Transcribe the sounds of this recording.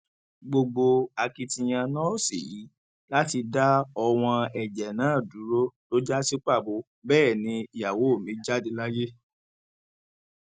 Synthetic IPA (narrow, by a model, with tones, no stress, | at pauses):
ɡ͡bo˧ɡ͡bo˧a˧ki˧tĩ˧j̃ã˧nɔ̃˦˨sḭ˨ji˨˦ | la˦ti˧da˦ɔ˧w̃ɔ̃˧ɛ˨d͡ʒɛ˨nãː˨˦˨du˨˦ɾo˦to˦d͡ʒa˦si˦k͡pa˦˨bo˨˧˦ | bɛː˦˨nĩ˨˧i˨ja˨wo˨˦o˦˨mĩ˨˦d͡ʒa˦di˧˦la˦je˦